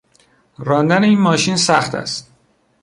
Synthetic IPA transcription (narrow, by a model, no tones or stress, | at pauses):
ɾɒːnd̪æneiːnmɒːʃiːnsæxt̪ʰæ̰st̪̚